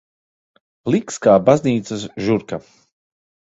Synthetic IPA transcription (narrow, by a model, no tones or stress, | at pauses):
plˠikskaːbazniːt̪sɐsʒuɾka